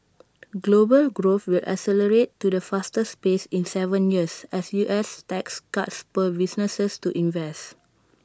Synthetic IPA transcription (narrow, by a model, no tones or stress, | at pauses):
ɡlobəlɡɹoθwilʔa̰sɛləɹetːudəfastəspesĩnsɛvə̃njiəsɛsjuʔɛstɛkska̰tspəbisnəsəstuʔĩnvɛst